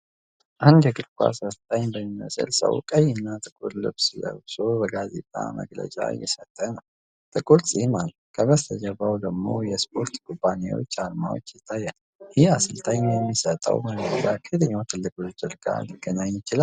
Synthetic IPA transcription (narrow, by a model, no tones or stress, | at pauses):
ʔahunɡəɡɨɾkʷʼa̰səst̪ʰʼəɲbəmimə̰sɨ̰lsə̰wkʼəjːɪnːat̪ʼɨkʼullɨ̰βslə̰bso̞bəɡazḛt̪ʼamə̰ɡlə̰t͡ʃʼa̰jːɛsət̪ʼːənəw | t̪ʼɨkʼulsʼihmalukʰəβəst̪ʰəd͡ʒəbawd̪əɡmo̞̰jɛspʰo̞ɾt̪kʰʼubːanḛwo̞̰t͡ʃːalmawo̞̰t͡ʃːjɪt̪ʰːajːɛn | jihasɨlt̪ʰəɲjɛmːisət̪ʼə̰wməɡlət͡ʃʼakʰɨd̪ɨɲːat̪ʰɨlːɨkʼult͡ʃɨɾɡa̰lɨɡːənaɲːɪt͡ʃɪlal